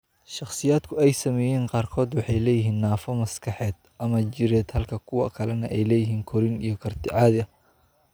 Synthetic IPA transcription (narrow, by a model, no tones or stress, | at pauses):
ʃɑχsɪjaːd̪kʰʊɛjsɐmɛːjɛːqɑːrkʰɔːd̪wɑħɑjlɛːjɪɦiːnːaːfɔmɐskʰɑħɛːd̪̥ | ʔɐmɐt͡ʃɪɾɛːd̪hɐlkʰɐkʰʊwɐ̰kʰɐlɛnɐʔɛjlɛːjɪɦiːŋkʰɔɾɪnijɞkʰɐrt̪ʰɪʕɑːðɪɐ